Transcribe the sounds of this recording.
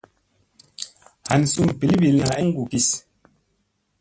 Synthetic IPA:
ha˨n˨su˦˨m˨pi˨˦li˦bi˨lŋa˨ɛ˦ŋ̩˦ɡu˨ki˨s

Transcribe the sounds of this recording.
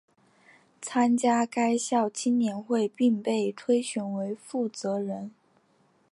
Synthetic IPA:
t͡sʰa˥nt͡ɕja˥ka˥ɪɕjɑ˥˩ʊt͡ɕʰi˥nnjɛ˧˥nxwe˥˧ɪpi˥˧ŋpe˥˩ɪt̪ʰwe˥ɪɕɥɛ˧˥nwe˧˥ɪfu˥˩t͡sɤ˧˥ɻə˧˥n

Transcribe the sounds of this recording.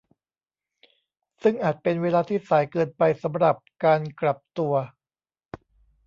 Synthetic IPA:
sɯ˥˩ŋʔaː˨˩t̪̚pe˧nweː˧laː˧t̪ʰiː˥˩saː˩˦jkɤː˧npa˧jsa˩˦mɾa˨˩p̚kaː˧nkla˨˩p̚t̪u˧ɐ

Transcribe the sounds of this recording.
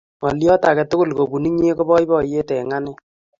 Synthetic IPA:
ma˨ljɔ˦ta˨kɛ˨tʊ˦kʊ˦˨lko˨bu˨ni˦ɲe˦ko˦bɔ˦i˦bɔ˦je˦tɛ˨ŋa˦no˦˨

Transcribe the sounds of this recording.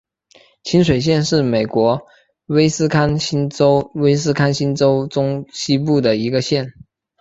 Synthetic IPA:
t͡ɕʰi˥nʂ̬we˨˩ɪɕ̬jɛ˥˧nʂɻ̩˥˩me˨˩ɪkwɔ˧˥ | we˥ɪsɹ̩˥kʰa˥nɕi˥nʈ͡ʂo˥ʊwe˥ɪs̬ɹ̩˥kʰa˥nɕi˥nʈ͡ʂo˥ʊʈ͡ʂʊ˥ŋɕi˥pu˥˩d̪ə˩i˧˥ɡə˧ɕjɛ˥˩n

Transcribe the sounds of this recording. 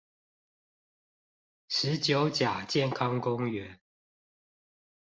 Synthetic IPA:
ʂɻ̩˨˦t͡ɕjo˨˦ʊt͡ɕja˨˩t͡ɕjɛ˥˨nkʰɑ˦ŋkʊ˦ŋɥɛ˨˦n

